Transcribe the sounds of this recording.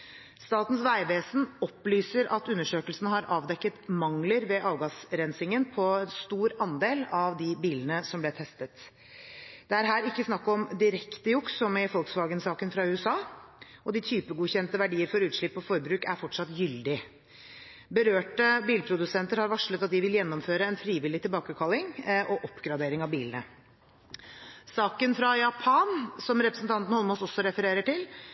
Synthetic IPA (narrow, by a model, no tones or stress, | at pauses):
st̪ɑːt̪n̩sʋæɪʋeːsnɔpːlyːsəɾʔɑt̪ʉnːəʂøːkəlsənəhɑɾʔɑːʋd̪ɛkːət̪mɑŋləɾʋɛʔɑːʋɡɑsɾɛnsɪŋənpʰɔɛnst̪uːɾɑnd̪eːlɑʋd̪ɪbiːlənəsɔmblɛt̪ʰɛst̪ət̪ | d̪ɛæɾɦæːɾɪkːəsnɑkːɔmd̪ɪɾɛkt̪əjʊksɔmɪfɔlksʋɑːɡənsɑːkənfɾɑʉːəsɑːɔd̪ɪt̪ʰyːpəɡuːçɛnt̪əʋæɖiːəɾfɔɾʉːt̪ʂɭɪpːɔfɔɾbɾʉːkæɾfɔʈʂɑt̪ːjʏld̪ɪ | bəɾøːʈəbiːlpʰɾʊd̪ʉsɛnt̪əɾhɑɾʋɑʂlət̪ɑt̪̚d̪ɪʋɪljɛnːɔmføːɾəɛnfɾiːʋɪlːɪt̪ʰɪlbɑːkəkʰɑlːɪŋʔɔʔɔpːɡɾɑd̪eːɾɪŋɑʋbiːlənə | sɑːkənfɾɑjɑpʰɑnsɔmɾɛpɾəsnt̪ɑnt̪ən̩hɔlmoːsɔsːɔɾɛfəɾeːɾəʈɪl